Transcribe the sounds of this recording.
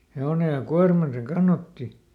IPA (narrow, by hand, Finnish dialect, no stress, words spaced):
heone jɑ kuɑrmɑn se kɑnːɑtːi